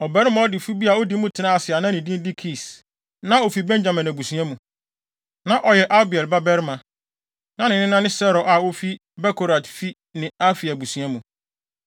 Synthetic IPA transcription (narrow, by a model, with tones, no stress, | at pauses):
ɔ˨bɛ˦ɾm̃˦ɔ˦dɪ˨fu˦bi˦a˨o˦di˦mũ˦tʰɪ˨nã˦a˨sɪ˨a˨nã˦nɪ̃˨dĩ˦n˦di˦kʰi˨s | nã˦o˨fi˨bɛ̃˦ɲd͡ʑa˨mɪ̃˨næ̃˨bu˨sũ˦ã˦mũ˨ | nã˦ʔɔ˨jɛ˨ʔa˦bɪ˨ɛ˨lba˦bɛ˦ɾmã˨ | nã˦nɪ̃˨nɪ̃˦nã˦nɪ̃˦sɛ˦ɾɔ˨ʔa˨wo˦fi˦ | bɛ˦kʰo˨ɾa˨tfi˦ | nɪ̃˨a˦fi˨æ˨bu˨sũ˦ã˦mũ˨